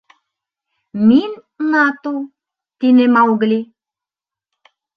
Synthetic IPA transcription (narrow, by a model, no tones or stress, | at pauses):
min | nat̪o | t̪inemawɣlʲi